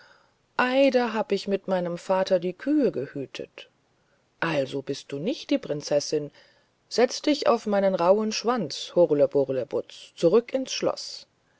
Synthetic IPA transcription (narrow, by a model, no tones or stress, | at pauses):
ʔaɪdaɦaːbəɪçmɪtmaɪnəmfaːtʰɐdiːkʰyːəɡəhyːtʰə̰t | ʔalzobɪst̚d̥uːnɪçt̚d̥iːpʁ̥ɪnt͡sɛsɪn | z̥ɛt͡st̚d̥ɪça̰ʊfmaɪnənʁaʊənʃv̥ant͡shʊʁləbʊʁləbʊ̰t͡st͡suʁʏkʰɪnsʃlɔ̰s